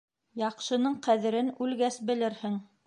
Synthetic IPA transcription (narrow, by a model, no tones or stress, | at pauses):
jɑqʃɤ̆nɤɴqæðɘ̆ɾɘnʉlɡæsbɘ̆lɘɾhɘŋ